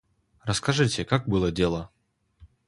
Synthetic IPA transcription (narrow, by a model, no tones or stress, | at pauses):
rɐskaʐɨt͡sʲɛkaɡ̚bɨlˠɐdʲɛlˠɐ